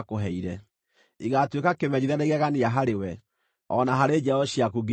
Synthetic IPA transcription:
koɦɛiɾɛ | iɣatwekakemɛɲiðaneɣɛɣaneaɦaɾewɛ | ɔnaɦaɾed͡ʒɛɔɕiakuɡe

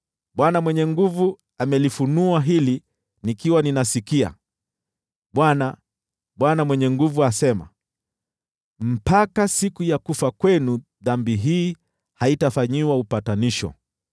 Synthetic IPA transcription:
ɓwanamwɛɲɛŋɡuvu | amɛlifunuaɦili | nikiwaninasikia̰ | ɓwana | ɓwanamwɛɲɛŋɡuvuasɛma̰ | m̩pakasikujakufakwɛnu | ðambiɦiː | haitafaɲiwaupataniʃɔ̰

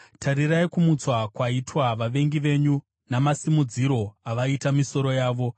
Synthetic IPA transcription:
tʰaɾiraikumut͡swakwaitwaʋaʋe̞ŋɡiʋe̞ɲu | namasimud͡ziɾo̞aʋaitamiso̞ɾo̞jaːʋo̞

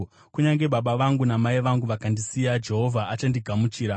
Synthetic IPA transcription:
kuɲaŋɡe̞ɓaɓaʋaŋɡunamaiʋaŋɡuʋakandisijad͡ʒe̞ɦo̞vʱaat͡ʃandiɡʱamut͡ʃiːɾa

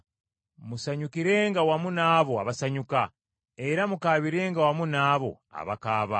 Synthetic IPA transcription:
musaɲukiɾe̞ːŋɡawamunaːβo̞aβasaɲuka | e̞ɾamukaːβiɾe̞ːŋɡawamunaːβo̞̰ | a̰βakaːβa

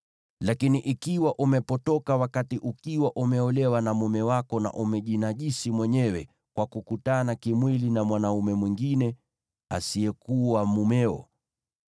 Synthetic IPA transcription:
lakiniʔikiwaʔumɛpɔtɔkawakatiʔukiwaʔumɛɔlɛwanamumɛwakɔna̰ʔumɛʄinaʄisimwɛɲɛwɛ | kwakukutanakimwilinamwanaumɛmwiŋɡinɛ | a̰siɛkuwamumɛɔ̰

